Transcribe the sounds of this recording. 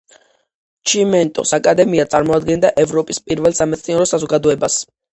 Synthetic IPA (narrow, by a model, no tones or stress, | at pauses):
t͡ʃʰimɛnt̪ʼɔ̰sakʼad̪ɛmiat̪sʼaɾmɔad̪ɡɛnd̪aʔɛvɾɔpʼispʼiɾvɛlˠsamɛt̪sʰniɔɾɔsazɔɡad̪ɔɛbas